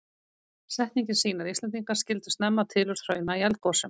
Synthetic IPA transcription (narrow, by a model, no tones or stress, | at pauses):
sɛht̪niɲcɪnsiːnaɾist̪ɛnt̪̬iŋkḁscɪlt̪ʏ̥st̪nɛmːat̪ʰɪːlʏɾ̥θɾœːɥnaiɛlt̪̚kɔsʏm